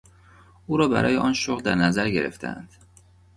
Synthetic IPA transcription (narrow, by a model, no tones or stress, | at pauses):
ʔuːɾɒːbæ̰ɾʔɒːjeʔɒːnʃoɣd̪æɾnæzæɾɟe̞̰ɾḛft̪ʰæ̰æ̰nd̪̥